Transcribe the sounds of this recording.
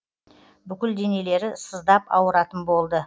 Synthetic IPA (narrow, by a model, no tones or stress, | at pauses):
bʏkʲɪld̪ene̞le̞ɾɪsəzd̪ɑpɑ̰wəɾɑt̪ənbo̞lˠd̪ə